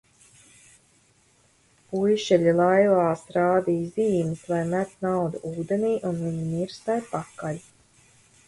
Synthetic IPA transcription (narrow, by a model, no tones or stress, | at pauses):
pujʃɛʎilˠajvaːsɾaːd̪iːjziːmɨslajmæt̪nawd̪uʔuːd̪eniːʔunviɲimiɾsajpakalʲ